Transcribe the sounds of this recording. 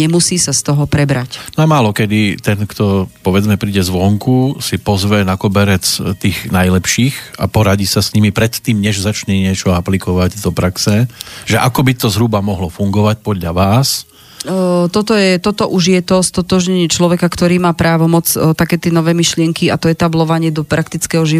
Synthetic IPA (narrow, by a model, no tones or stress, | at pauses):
ɲɛmusiːsast̪ɔɦɔpɾɛbɾacnɔamaːlɔkɛd̪it̪ɛnkt̪ɔpɔʋɛd͡zmɛpɾiːɟɛzʋɔŋkusipɔzʋɛnakɔbɛɾɛt͡st̪iːɣnajlɛpʃiːxa̰pɔɾaɟiːsasɲimipɾɛt̪ːiːmɲɛʒzat͡ʃɲɛɲɪɛt͡ʃɔaplikɔʋaɟd̪ɔpɾaksɛʒɛʔakɔbit̪ɔzɦɾubamɔɦlɔfuŋɡɔʋac̚pɔd̪ʎaʋaːs | t̪ɔt̪ɔjɛt̪ɔt̪ɔʔuʒjɛt̪ɔst̪ɔt̪ɔʒɲɛɲɪɛt͡ʃlɔʋɛkakt̪ɔɾiːmaːpɾaːʋɔmɔt͡st̪akɛːt̪ɪɛːnɔʋɛːmiʃlɪɛŋkiat̪ɔɛt̪ablɔʋaɲɪɛd̪ɔpɾʔakt̪it͡skɛɦɔʒi